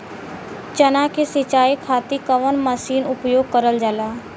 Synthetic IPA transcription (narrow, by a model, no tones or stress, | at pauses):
t͡ʃənãkesɪt͡ʃaːikʰaːt̪ikəʋənməsiːnʊpjoːɡ̚kəɾəld͡ʒalaː